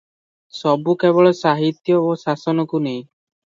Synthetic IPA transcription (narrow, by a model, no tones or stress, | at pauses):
sɔbukebɔɭɔsaɦit̪jɔosasɔnɔkunej